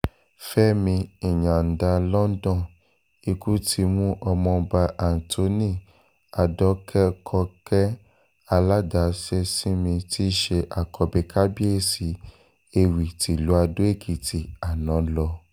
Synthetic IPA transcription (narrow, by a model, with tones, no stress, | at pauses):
fɛ˦mĩ˧i˨ɲ̃ã˨n̩˨da˧lɔ˦n̩˦dɔ̃˦˨ | i˧ku˦tʰi˧mũ˦ʔɔ˧mɔ̃˧ba˧ʔa˨n̩˨to˨˦nĩ˦˨ | a˨dɔ˨˦kʰɛ˦kʰɔ˧kɛ˦ | a˧la˦da˨˦se˦sĩ˦mĩ˧ti˦ʃe˧ʔa˨kʰɔ˧be˨kʰa˦bi˦e˦˨si˨˧ | e˧wi˨ti˨lu˨˦a˧do˦e˦˨ki˨ti˨a˨nã˨˦lɔ˧